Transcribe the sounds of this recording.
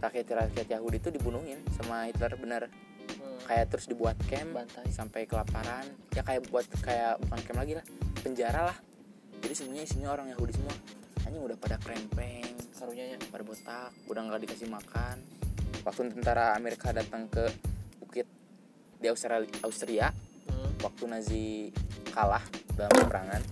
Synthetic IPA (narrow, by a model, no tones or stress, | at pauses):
rakiat̪ɾakiat̪jaɦudit̪udibunuhɪnsamahit̪lərbənər | kajat̪əɾʊsdibuat̪̚kɛmsampajkəlapaɾanjakajabuat̪kajabukankɛmlaɡilahpəɲd͡ʒaɾalah | d͡ʒadisəmuaɲaisiɲaoɾaŋjaɦudisəmua | aɲaudahpadakəɾɛmpɛŋ | padabot̪ak̚udaŋɡakdikasɪhmakanwak̚t̪unt̪ənt̪aɾaːmeɾikadat̪əŋkəbukɪt̪̚ | diaust̪ɾaaust̪ɾia | wak̚t̪unazikalahdalaməpəɾa̰ŋan